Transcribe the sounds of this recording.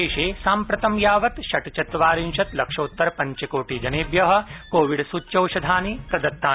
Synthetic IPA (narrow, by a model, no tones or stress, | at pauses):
eːʃeːsaːmpɾɐt̪ɐmjaːʋɐt̪ʃɐʈt͡ʃɐt̪ʋaːɾinʃɐt̪lɐkʂɐːt̪ːɐɾpɐɲt͡ʃɐkoːʈiːd͡ʒɐneːbjɐɦɐ̆koːʋiɽsutːʃɐwʃɐd̪ʱaːnipɾɐd̪ɐt̪ːaː